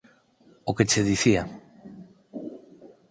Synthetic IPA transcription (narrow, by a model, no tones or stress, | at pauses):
oket͡ʃeðiθia